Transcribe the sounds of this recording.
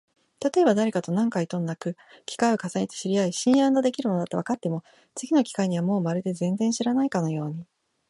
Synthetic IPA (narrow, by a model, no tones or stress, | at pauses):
t̪at̪o̞e̞bad̪aɾe̞kat̪o̞nãŋkait̪o̞nnakɯ̟ | kʲi̥kaio̞kasaɲʲit̪e̥ɕiɾʲiaiɕĩɰ̃janːod̪e̞kʲiɾɯmonat̪oβakat̪ːe̞mo̞ | t͡sɨɡʲino̞kʲi̥kaiɲ̟iβ̞amo̞ːmaɾɯd̪e̞zẽ̞nd͡zẽ̞ɰ̃ɕiɾanaikano̞jo̞ːɲ̟i